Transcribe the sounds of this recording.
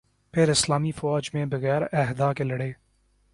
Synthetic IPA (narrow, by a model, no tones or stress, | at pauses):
peːɾɪslɑːmiːfʊwɑːd͡ʒmẽːbəɣɛːɾɛɦd̪ɑːkelɐɽeː